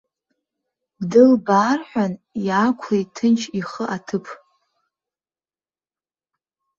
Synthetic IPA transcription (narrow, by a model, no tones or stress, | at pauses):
bdɨlbaːrħʷᶣanjaːkʷʰejtʰɨnt͡ʃʰiχəʔatʰɨpʰ